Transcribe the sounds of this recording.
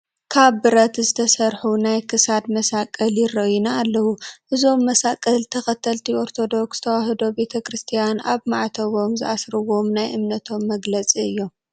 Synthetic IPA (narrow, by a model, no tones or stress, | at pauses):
kʰaβːɨɾɐt̪zɨt̪ʰɐsɐɾħunajkʰɨsad̪mɐsakʼːɐljɪrɐʔinaːlːɐwuʔɨzo̞mːɐsakʼːɐlt̪ʰɐxɐt̪ʰɐlt̪ʰiʔo̞ɾt̪ʰo̞d̪o̞ksz̥ɨt̪ʰɐwaɦɨd̪o̞be̞t̪ʰɐkɾɨst̪ʰijanʔaβmaʕt̪ʰɐβo̞mzɨʔasɾɨwo̞mnajʔɨmnɐt̪ʰo̞mːɐɡlɐt͡sʼiɨjːo̞m